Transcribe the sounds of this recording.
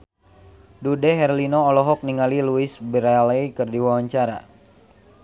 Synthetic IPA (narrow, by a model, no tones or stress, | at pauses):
dudɛɦɛrlinoːlɔɦɔk̚niŋaliluisbiɾalaikɨrdiwawaɲt͡ʃaɾa̰